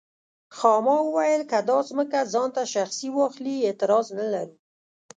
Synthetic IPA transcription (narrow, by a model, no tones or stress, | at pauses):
xɑmɑwəwajəlkad̪ɑsməkazɑnt̪aʃaxsiwɑxliet̪ɪɾɑznalaɾu